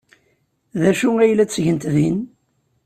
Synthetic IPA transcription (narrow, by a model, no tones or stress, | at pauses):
ðæʃuæjlæt͡sːʝənt̪ðin